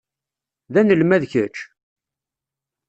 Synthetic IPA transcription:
ðænəlmæðçət͡ʃ

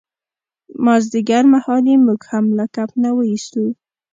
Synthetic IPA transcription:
mazd̪iɡaɾmahɑlemuɡhamlakapnawəist̪u

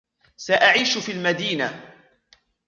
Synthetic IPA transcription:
saʔaʕiːʃfiːlmad̪iːna

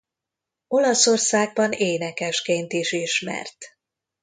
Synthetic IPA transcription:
o̞lɒso̞rsaːɡ̚bɒneːnɛkɛʃkeːnt̪iʃiʃmɛ̰rt̪

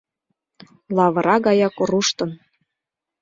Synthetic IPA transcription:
lˠɑβɤ̆ɾɑɣɑjɑkoɾuʃt̪ɤ̆n

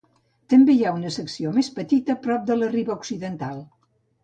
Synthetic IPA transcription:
t̪əmbejaunəsəksiomespət̪it̪əpɾɔp̚d̪ələriβəuksiðənt̪alˠ

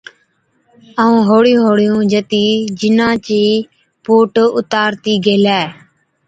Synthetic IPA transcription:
əːũːɦoːɽɪjũːɦoːɽɪjũːd͡ʒət̪iːd͡ʒɪnãːt͡ʃiː | poːʈʊt̪aːɾt̪iːɡeːlɛː

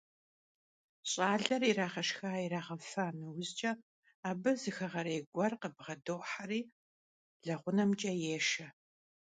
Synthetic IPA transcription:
ɕʼaːɮɐriraːʁɐʃxaːiɾaːʁɐfanɨwʊzt͡ʃʼɐ | aːbɨzɨxɐʁɐɾeːɡʷɐrqəbʁɐdowħariː | ɮɐʁʷʊnɐmt͡ʃʼɐjeːʃɐ

